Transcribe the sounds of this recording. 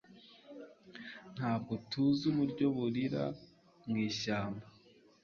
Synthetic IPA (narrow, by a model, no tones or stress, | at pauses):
n̥haːb̚ɡotuzuβuɾɟo̞βuɾiɾa̰ | ŋɡiːʃaːmba